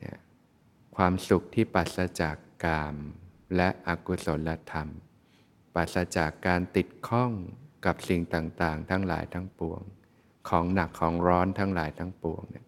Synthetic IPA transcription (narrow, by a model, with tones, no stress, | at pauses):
nɛ̰˥˩ | kʰwaː˧msu˨˩k̚t̪ʰiː˥˩paː˨˩t̪̚sa˧t͡ɕa˨˩kːaː˧m | lɛ˦˥ʔʔa˨˩ku˧˩so˩˦nla˧t̪ʰa˧m | paː˨˩t̪̚sa˧t͡ɕa˨˩kːaː˧nt̪i˨˩t̪̚kʰɔ˥˩ŋka˨˩p̚si˨˩ŋt̪aː˨˩ŋt̪aː˨˩ŋt̪ʰa˦˥ŋla̰ː˩˦jt̪ʰa˦˥ŋpu˧əŋ | kʰɔː˩˦ŋna˨˩kʰːɔː˩˦ŋɾɔː˦˥nt̪ʰaː˦˥ŋlaː˩˦jt̪ʰaː˦˥ŋpu˧əŋnɛ̰˦˥˩